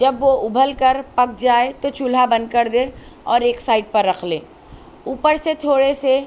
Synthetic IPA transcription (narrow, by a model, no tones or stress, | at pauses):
d͡ʒɐbʋoʊbʱəlkɐɾpɐk̚d͡ʒaːet̪ot͡ʃʰʊlɦabɐ̃nd̪kəɾd̪eːɔːɾeːksaːɪʈ̚pɐɾːɐkʰlḛ̃ː | uːpəɾset̪ʰoːɽese